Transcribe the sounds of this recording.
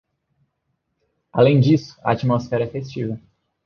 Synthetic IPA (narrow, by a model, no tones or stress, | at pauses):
alẽj̃d͡ʒisʊ̥ɐat͡ʃimosfɛɾɐɛefest͡ʃivɐ